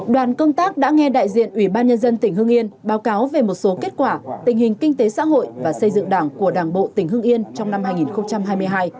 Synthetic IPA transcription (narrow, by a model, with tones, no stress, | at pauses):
ɗwaː˨˩nkə˧wŋ͡mt̪aː˦˥k̚ɗa̰ː˧˥ŋɛ˧ɗa̰ː˧˨jzḭ˧˨ənʔwi˧˩ɓaː˧nɲə˧nzə˧nt̪ï˨˩ŋ̟hɨ˧əŋʔi˧ənɓaː˨˦wkaː˨˦wve˨˩mo˨˩t̚so˨˦ke˦˥t̚kwaː˧˩t̪ï˨˩ŋ̟hï˨˩ŋ̟kï˧ŋ̟t̪e˨˦sa̰ː˧˥ɦo̰˧˨jvaː˨˩sə˧jzɨ̰˧˨ŋɗaː˧˩ŋku˧˩əɗaː˧˩ŋɓo̰˧˨t̪ï˨˩ŋ̟hɨ˧əŋʔi˧ənt͡ɕɔ˧wŋ͡mna˧mhaː˧jŋi˨˩nxə˧wŋ͡mt͡ɕa˧mɦaː˧jmɨ˧əjɦaː˧j